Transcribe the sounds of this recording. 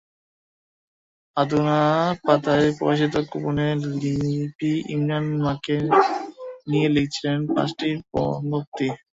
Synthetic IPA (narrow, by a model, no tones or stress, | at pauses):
ad̪unapat̪aepɔ̰ɾiʃ̬it̪̬okupunelipiḭmɾanmake | nijelek̚t͡ɕʰillenpã̰sʈiɾpɔ̰nok̚t̪i